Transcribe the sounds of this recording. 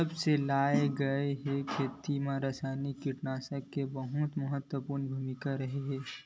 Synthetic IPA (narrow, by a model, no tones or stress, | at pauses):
əbselaːeɡəeɦekʰeːt̪imãɾəsaːnikːiʈnaːsəkːebəɦut̪məɦət̪wəpuɾnbʱumɪkaɾɐɦeɦɛː